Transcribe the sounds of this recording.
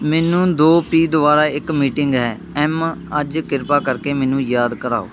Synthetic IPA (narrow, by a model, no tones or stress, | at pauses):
mɛːnũːd̪oːpiːd̪ʊbaːɾaːɪkmiːʈɪŋɡɦɛː | ɛːməd͡ʒkɪɾpaːkəɾkeːmɛːnũːjaːd̪kəɾaːo̰ː